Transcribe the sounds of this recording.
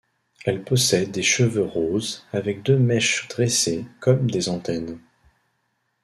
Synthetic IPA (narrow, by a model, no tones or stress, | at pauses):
ɛlpɔsɛd̪ːeʃəvøʁozavɛk̚d̪ømɛʃd̪̥ʁesekɔmd̪ezɑ̃t̪ɛn